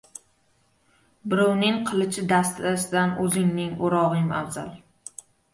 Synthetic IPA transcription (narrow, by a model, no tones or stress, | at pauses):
bɪɾownɪŋqʰɨlˠɪt͡ʃʰɪd̪ast̪asɪd̪anɵzɪŋnɪŋoɾɒʁɨma̰vza̰lˠ